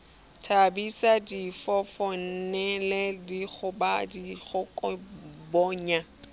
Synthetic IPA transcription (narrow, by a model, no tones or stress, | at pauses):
tʰabisadifɔfɔn̩nɛlɛdiɣʊbadiɣʊkʼɔbɔːɲa